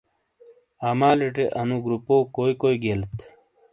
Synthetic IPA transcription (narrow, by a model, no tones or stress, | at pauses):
aːmaːliʈeʔɐnuɡɾupoːkoːikoːiɡeːlt̪